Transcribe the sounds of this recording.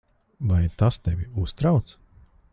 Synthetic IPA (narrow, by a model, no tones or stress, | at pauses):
vajt̪ast̪ɛvʲiust̪ɾawt̪s